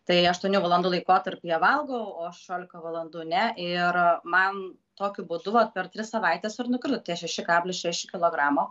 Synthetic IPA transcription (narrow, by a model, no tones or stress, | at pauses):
t̪ɐɪɐʃt̪uɔnʲuːʋɐlˠɐnd̪uːlˠɐɪkoːt̪ɐɾʲpʲɪjɛʋɐlˠɡoʊoːʃʲɛʃʲoːlʲɪkɐʋɐlˠɐnd̪uːnʲɛʔɪɾmɐn | t̪oːkʲʊbʊd̪ʊʋɐt̪̚pʲɛɾt̪ʲɾʲɪssɐʋɐɪt̪ʲɛsɪɾnʊkʲɾʲɪt̪ʊt̪ʲiɛʃʲɛʃʲɪkɑːbʲlʲɪʃʲɛʃʲɪkʲɪlˠoːɡɾɑːmoː